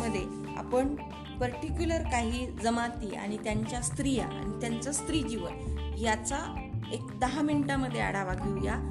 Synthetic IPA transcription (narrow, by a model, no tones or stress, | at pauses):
əd̪ʱːje | a̰pəɳ | pəɾʈikjuləɾkaɦiːd͡zəmat̪iːa̰ɽ̃it̪jaɲt͡ɕjast̪ɾija̰a̰ñit̪jant͡səst̪ɾiːd͡ʑiʋə̰njat͡saekd̪əɦãmiɳʈaməd̪ʱːjea̰ɽaʋaɡiwja